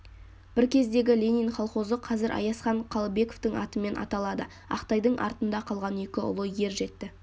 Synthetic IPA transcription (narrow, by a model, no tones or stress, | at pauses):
b̥ɪɾkʲʰe̞zd̪e̞ɡʲɪlʲe̞nijnχɑlˠχo̞zəqʰɑzɪɾʔɑ̰jɑsχɑɴqʰɑlˠəbe̞koft̪əŋɑ̰t̪əme̞nʔɑ̰t̪ɑlˠɑd̪ə | ɑ̰qt̪ɑjd̪əɴʔɑ̰ɾt̪ənd̪ɑqʰɑlˠʁɑne̞kʲɪʊ̰lˠəje̞ɾʒe̞t̪ːɪ